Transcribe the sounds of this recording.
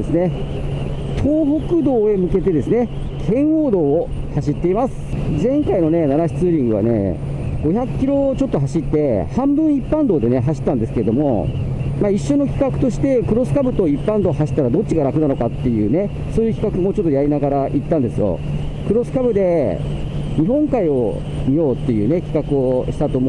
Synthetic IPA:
esɨne | t̪ʰoːbo̞kɯ̟d̪o̞ːe̞mɯ̟ke̞t̪e̞d̪e̞sɨne̞ | kʰẽ̞ɰ̃oːd̪o̞ː | haɕit̪ːe̞imasɨ̥ | zẽ̞ŋkaino̞ne̞nanaçi̥t͡sɨːɾʲĩŋɡɯ̟βa̰ne̞̰ | ɡ̥o̞çakːʲiɾo̞t͡ɕo̞t̪ːo̞ɦaɕit̪ːe̞hãmbɯ̟̃ɰ̃ipːãnd̪o̞ːd̪e̞ne̞ɦaɕi̥t̪ːãnd̪e̞sɨ̥keɾe̞d̪omo̞̰maːiɕːo̞no̞kʲi̥kakɯ̟̥t̪o̞ɕi̥t̪e̞kɯ̟ɾo̞sɨ̥kabɯ̟t̪o̞ipːãnd̪o̞ːɦaɕi̥t̪ːaɾad̪o̞t͡ɕːiɡaɾakɯ̟nano̞kat̪ːe̞jɯ̟̰ːne̞ | so̞ːjɯ̟kʲi̥kakɯ̟mo̞t͡ɕo̞t̪ːo̞jaɾʲinaɡaɾaʔit̪ːãnd̪e̞sɨjo̞̰ | kɯ̟ɾo̞sɨ̥kabɯ̟d̪e̞ | ɲ̟iɦõ̞ŋkaio̞̰ | mʲijo̞ːt̪ːe̞jɯ̟ːne̞kʲi̥kakɯ̟o̞ɕi̥t̪at̪o̞m

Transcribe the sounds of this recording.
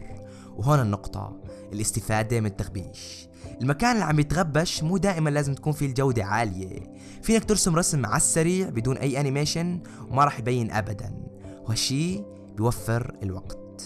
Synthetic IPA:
wɦoːnanːʊqt̪ˤɑ̰ | ʔɪlʔɪst̪ɪfaːd̪emɪnɪt̪ːaxbiːʃ | ʔɪlmakaːnlːiːʕambjɪt̪ɣabːaʃmuːd̪aːʔɪmanlaːzɪmt̪ḁkuːnfild͡ʒawd̪aʕaːlɪjḛ | fiːnakt̪ʊɾsʊmɾˤɑsmːa̰ʕa̰sːaɾiːʕbɪd̪uːnʔajːʔanɪmeːʃan | wmaɾˤɑːħjbajːɪnʔa̰bad̪a̰nhʃiː | bɪjwafːɪɾɪlwa̰ɡt̪

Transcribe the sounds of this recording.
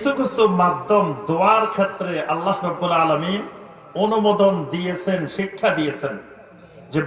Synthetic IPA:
iʃukʰɾist̪oɾmad̪̚ːomd̪oaɾkʰet̪ːɾeʔalːahɾɔbːulaːlamin | onumod̪ond̪ijet͡ɕʰenʃikʰːad̪ijet͡ɕʰen | d͡ʑe

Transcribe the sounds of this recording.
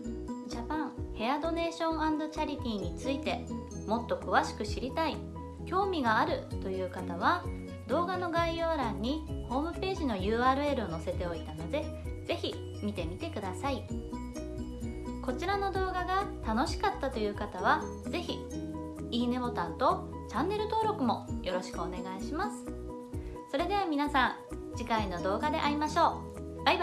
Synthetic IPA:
d͡ʑapãŋhe̞ad̪o̞ne̞ːɕõ̞ɰ̃ãnd̪o̞t͡ɕaɾʲit̪ʲiːɲ̟it͡sɨit̪e̞ | mo̞t̪ːo̞kɯ̟βaɕi̥kɯ̟ɕiɾʲit̪ai | kʲo̞ːmʲiɡaːɾɯ̟t̪o̞jɯ̟ːkat̪aβ̞a | d̪o̞ːɡano̞ɡaijo̞ːɾãɲ̟ːiho̞ːmɯ̟pe̞ːʑino̞jɯ̟ːaːɾɯ̟e̞ɾɯ̟o̞no̞se̞t̪e̞o̞it̪ano̞d̪e̞ | d͡ze̞çi | mʲit̪e̞mʲit̪e̞kɯ̟d̪asai | ko̞t͡ɕiɾano̞d̪o̞ːɡaɡat̪ano̞ɕi̥kat̪ːat̪o̞jɯ̟ːkat̪aβ̞a | ze̞çi | iːne̞bo̞t̪ant̪o̞ | t͡ɕãnːe̞ɾɯ̟t̪o̞ːɾo̞kɯ̟mo̞jʔo̞ɾo̞ɕi̥kɯ̟one̞ɡaiɕimasɨ̥ | so̞ɾe̞d̪e̞β̞amʲinasãŋ | d͡ʑikaino̞d̪o̞ːɡad̪e̞̰ʔaɾʲimaɕo̞ː | b̥ab

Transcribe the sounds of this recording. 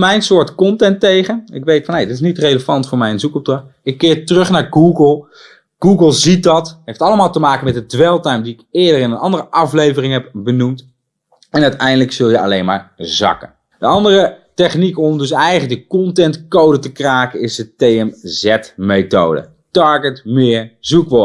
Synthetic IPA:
mɛjnsʊːɹtkɔntɛntejχənɪ̰kʋejtfɑnejdɪtɪs̬nitrejləvɑntfʊːɹmɛjənzukɔp̚dɑɪkːɪːɹtərɵχnaːɹɡuːɡəlˠ | ɡ̥uːɡəlˠzit̚dɑtɦejftɑləmaːlˠtəmaːkənmɛt̚dədʋɛlˠtajmdiɪkɪːdərɪnənɑ̰ndərəʔɑflejvərɪŋɦɛp̚bənumt | ɛnœɥtɛjndələksɵlˠjəɑ̰lejnma̰ːɹzɑ̰kə̰ | dəɑndərətɛχnikɔmdɵs̬ɛjələk̚dəkɔntɛntkowdətəkraːkəɪsdətejɛmzɛtmejto̰wdə̰ | tɑɹɡətmɪːɹzukʋɔ

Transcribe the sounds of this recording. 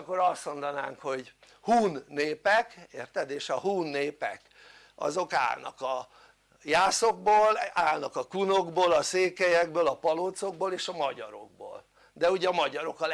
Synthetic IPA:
kːo̞ɾɒst̪mo̞nd̪ɒna̰ːŋkho̞ɟ | huːnːeːpɛkeːrt̪ɛd̪eːʃɒɦuːnːeːpɛ̰k | ɒ̰zo̞ka̰ːlnɒ̰kɒ | jaːsoɡ̚boːlaːlnɒkɒkunoɡboːlɒseːkɛjɛɡ̚bøːlɒpɒloːt̪so̞ɡ̚boːleːʃɒmɒɟɒ̰ɾo̞̰ɡ̚bo̰ːl | d̪ɛuɟɛɒmɒɟɒɾo̞kɒl

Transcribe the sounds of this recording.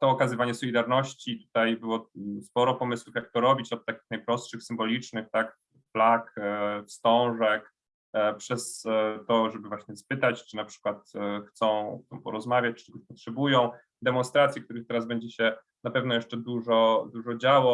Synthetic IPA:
t̪ɔːkazɘvaɲɛsɔlʲid̪aɾnɔɕt͡ɕit̪u̥t̪ajbɘwɔspɔɾɔpɔmɘswufjak̚t̪ɔɾɔbʲit͡ɕɔt̪̚t̪ːakʲi̥xnajpɾɔstʂɘxsɘmbɔlʲit͡ʂnɘxt̪ak | flakfst̪ɔ̃w̃ʐɛk | pʂɛst̪ɔʐɛbɘvwaɕɲɛspɘt̪at͡ɕt͡ʂɘnapʂɘ̥kwat̪xt̪sɔ̃w̃t̪ɔ̃w̃pɔɾɔzmavʲjat͡ɕt͡ʂt͡ʃ̪ɛt̪ɔɕpɔtʂɛbujɔ̃w̃ | d̪ɛmɔnst̪ɾat̪sʲjikt̪uɾɘxt̪ɛɾazbɛɲd͡ʑɛɕɛ | napɛvn̪ɔjɛʂt͡ʂɛd̪uʐɔd̪uʐɔd͡ʑawɔ

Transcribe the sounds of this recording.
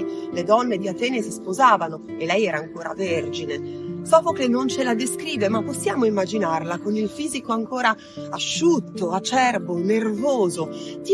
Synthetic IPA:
led̪ɔnːed̪iat̪ɛːnesispozaːvano | elːɛjɛːɾaːŋkoːɾa̰verd͡ʒinesɔːpokenːont͡ʃelad̪eskɾiːvemapːosːjaːmoimːad͡ʒinarlakonilfiːzikoaŋkoːɾaː | ʃːut̪ːoat͡ʃɛrbonervoːzot̪i

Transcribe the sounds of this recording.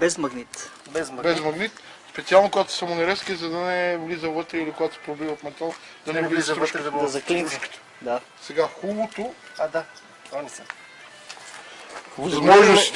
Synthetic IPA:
bɛzmɐɡnit̪ | bɛzbɛzmɐɡnit̪ | spɛt̪sialˠnokoɡat̪ʊ̥samonɛɾɛskizɐd̪ɐnɛvlizəvət̪ɾɛilikoɡat̪o̥pɾobivɐfmɛt̪alˠ | d̪ɐnɛvliizt̪ɾt͡ʃk̪zɐklinskt̪ | d̪a | sɛɡaxulˠot̪o | d̪a | s | vɐzmɔʒnos

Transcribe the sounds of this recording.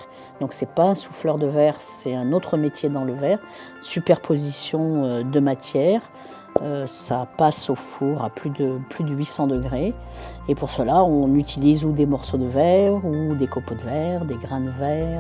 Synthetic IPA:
d̪̥ɔ̃ksɛpaɛ̃suflœʁd̪əvɛʁsɛt̪ɛ̃not̪χəmet̪jed̪ɑ̃ləvɛʁ | sypɛʁpʰozisjɔ̃ød̪əmat̪jɛʁ | øsapasofuʁaplyd̪əplyd̪əɥisɑ̃d̪əɡʁeepuʁsəlaɔ̃nyt̪ʰilizud̪emɔʁsod̪əvɛʁud̪ekopod̪əvɛʁd̪eɡʁɛ̃nəvɛʁ

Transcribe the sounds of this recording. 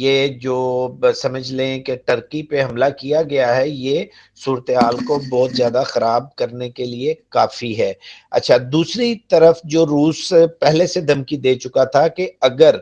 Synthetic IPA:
jeːd͡ʒoːsɐməd͡ʒʱlẽkeʈəɾkipeɦɐmlakijaɡɐjaɦɛje | suːɾət̪eɦaːlkobɔːt̪zjaːd̪axɐɾaːb̚kɐɾnekeliekaːfiɦɛːɐ̰tːʃʰad̪uːsɾit̪ɐɾəfd͡ʒoːɾuːspɛɦlesed̪ʱɐmkid̪eːt͡ʃʊkat̪ʰakeɐɡəɾ

